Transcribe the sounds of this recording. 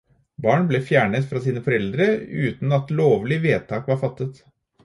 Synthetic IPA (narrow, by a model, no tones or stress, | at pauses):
bɑːɳblɛfjæːɳət̪fɾɑsiːnəfɔɾɛld̪ɾəʉ̰ːt̪n̩ɑt̪loːʋlɪʋeːt̪ʰɑːkʋɑɾfɑt̪ːət̪